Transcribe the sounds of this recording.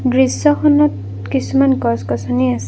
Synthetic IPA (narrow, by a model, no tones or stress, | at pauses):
dɹisːɔkʰɔnɔt̚ | kisumankɔskɔsɔniasɛ